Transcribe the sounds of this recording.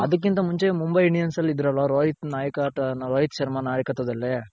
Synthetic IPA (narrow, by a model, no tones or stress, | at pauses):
ɐd̪ɐk̬ːint̪ɐmuɲt͡ʃemumbɐjiɳɖijɐnsɐlːid̪ɾɐlːɐɾoːɦit̪naːjɐkaʈɐnɐɾoːɦit̪ʃɐɾmanaːjɐkːɐt̪ːɐd̪ɐlːe